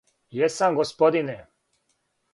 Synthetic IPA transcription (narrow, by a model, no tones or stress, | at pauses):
jɛsamɡospod̪ine